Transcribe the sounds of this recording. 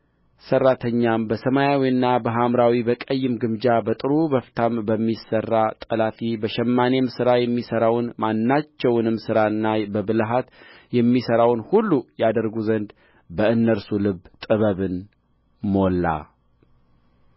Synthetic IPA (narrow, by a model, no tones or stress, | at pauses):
sərːat̪ʰəɲːambəsəmajawiɨnːabəɦamɾawibəkʼəjːɨmɡɨmd͡ʒabət̪ʼɨɾubəft̪ʰambəmːisərːat̪ʼəlafibəʃɛmːanemsɨɾajɛmːisəɾawnmanːat͡ʃːɛwnɨmsɨɾaɨnːabəbɨlɦat̪ | jɛmːisəɾawnhulːujad̪əɾɡuzənd̪ | bəɨnːəɾsulɨbt̪ʼɨβəβɨn | mo̞lːa̰